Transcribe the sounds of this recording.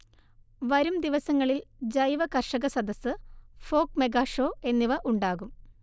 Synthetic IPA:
ʋɐɾumd̪iʋɐsɐŋːɐɭild͡ʑɐjʋɐkɐrʂɐɣɐsɐd̪ɐsɨfo̞ːkmeɡaːʂoːe̞nːiʋɐʔuɳɖaːɣum

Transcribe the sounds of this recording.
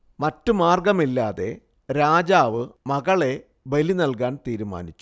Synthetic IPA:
mɐtːumaːrɡɐmilːaːðe̞̰ | ɾaːd͡ʑaːʋɨmɐɣɐɭe̞ | belinɐlkaːnt̪iːɾuma̰ːnit͡ɕːu̥

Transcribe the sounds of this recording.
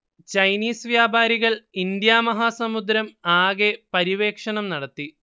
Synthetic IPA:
t͡ɕɐjniːsʋjaːbʱaːɾiɣɐɭind̪jaːmɐɦaːsɐmud̪ɾɐmaːɣepɐɾiʋe̞ːkʂɐɳɐmnɐɽɐt̪ːi

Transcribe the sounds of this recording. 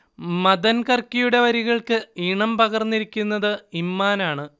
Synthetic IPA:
mɐd̪ɐnkɐrkːijuɽe̞ʋɐɾiɣɐɭkɨiːɳɐmpɐɣɐrnːiɾikʲːunːɐðɨimːaːnaːɳɨ

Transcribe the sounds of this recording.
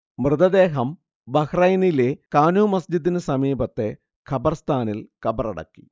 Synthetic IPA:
mrɨd̪ɐd̪e̞ːɦɐm | bɐkrɐjnilekaːnuːmɐsd͡ʑid̪ːinɨsɐmiːbɐt̪ːe̞ | kʰɐbɐrst̪ʰaːnilkɐbɐrɐ̰ɽɐ̰kːi̥

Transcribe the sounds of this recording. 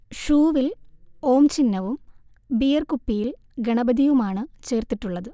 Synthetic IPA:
ʂuːʋiloːmt͡ɕinːɐʋum | bijɐrkupːijil | ɡɐɳɐbɐd̪ʱiʋumaːɳɨt͡ɕe̞ːrt̪iʈːuɭːɐðɨ

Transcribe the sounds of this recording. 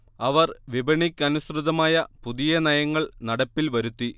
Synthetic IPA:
ɐʋɐrʋibɐɳikʲːɐnusrɨðɐmaːjɐpuðijɐnɐjɐŋːɐɭnɐɽɐpːilʋɐɾut̪ːi

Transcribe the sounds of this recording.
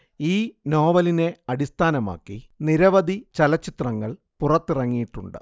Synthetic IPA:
iːno̞ːʋɐline̞ɐɽist̪ʰaːnɐma̰ːkːiniɾɐʋɐd̪it͡ɕɐlɐt͡ɕːit̪rɐŋːɐɭ | purɐt̪ːirɐŋːijiʈːuɳɖɨ̰

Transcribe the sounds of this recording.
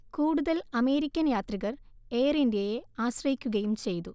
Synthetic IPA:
kuːɽuðɐlɐme̞ːɾikʲːɐnjaːt̪riɣɐr | e̞ːrindjejeaːɕrɐjikʲːuɣɐjumt͡ɕe̞jt̪u

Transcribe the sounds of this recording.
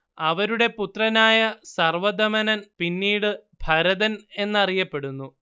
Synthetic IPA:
ɐʋɐɾuɽe̞put̪rɐnaːjɐsɐrʋɐd̪ɐmɐnɐnpinːiːɽɨbʱɐɾɐðɐne̞nːɐrijɐpːe̞ɽunːu

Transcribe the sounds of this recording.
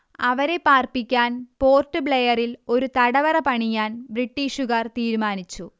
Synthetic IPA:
ɐʋɐɾe̞paːrpikʲːaːnpo̞ːrtːɨbɭejɐrilo̞ɾut̪ɐɽɐʋɐrɐpɐɳijaːnbriʈːiːʂuɣɐrt̪iːɾumaːnit͡ɕːu

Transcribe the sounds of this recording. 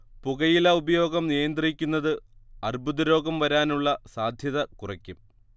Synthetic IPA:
puɣɐjilaːubɐjo̞ːɡɐmnijɐnd̪rikʲːunːɐðɨɐrbʱuðɐɾo̞ːɡɐmʋɐɾaːnuɭːɐsaːd̪ʱjɐðɐkurɐkʲːum

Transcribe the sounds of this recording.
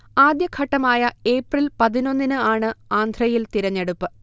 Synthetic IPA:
aːd̪jɐkʰɐʈːɐmaːjɐe̞ːprilpɐðino̞nːinɨaːɳɨaːnd̪ʱrɐjilt̪iɾɐɲːeɽupːɨ

